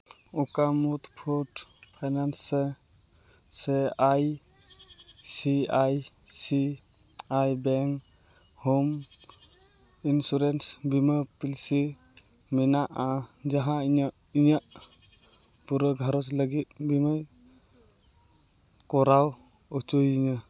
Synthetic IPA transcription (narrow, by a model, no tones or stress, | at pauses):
ukamut̪pʰɔʈpʰajnanse | seaj | siaj | si | ajbɛŋk | hum | insuɾensbimɯpilsi | minaʔad͡ʒaɦãiɲa | iɲaʔ | puɾɯɡʱaɾɔsləɡit̪̚bimaj | kɔɾaw | ɔt͡ʃujiɲa